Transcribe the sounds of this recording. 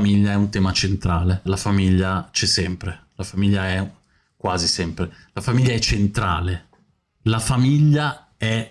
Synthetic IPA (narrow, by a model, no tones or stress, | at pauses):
miʎːaɛunt̪ɛːmat͡ʃent̪ɾaːlelafamiʎːat͡ʃɛsɛmpɾelafamiʎːaɛ | kwaːzisɛmpɾe | lafamiʎːaɛt͡ʃːent̪ɾa̰ːle | lafamiʎːa | ɛ